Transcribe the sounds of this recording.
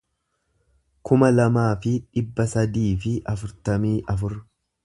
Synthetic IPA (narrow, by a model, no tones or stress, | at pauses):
kʊmɐlɐmaːfɪᶑɪbːɐsɐd̪iːfɪʔɐfʊɾt̪ɐmiːʔɐfʊɾ